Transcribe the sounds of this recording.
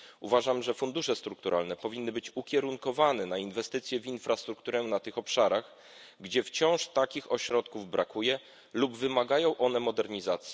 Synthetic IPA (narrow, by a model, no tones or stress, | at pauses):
uvaʐamʐɛfund̪uʂɛst̪ɾuk̚t̪uɾʔa̰lnɛpɔvʲinːɘbɘt͡ɕukʲjɛɾuŋkɔvanɛnainvɛst̪ɘt̪sʲjɛvʲinfɾast̪ɾukt̪uɾɛnat̪ɘxɔpʂaɾaɣ | ɡd͡ʑɛft͡ɕɔ̃w̃ʂt̪akʲixɔɕɾɔt̪kuvbɾakujɛ | lubvɘmaɡajɔ̃w̃ʔɔnɛmɔd̪ɛɾɲizat̪sʲjɛ